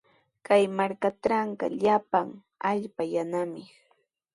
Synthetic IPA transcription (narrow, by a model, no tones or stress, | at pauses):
kajmaɾkaʈ͡ʂaɴka̰ʎapaŋ | aʎpajanamɪ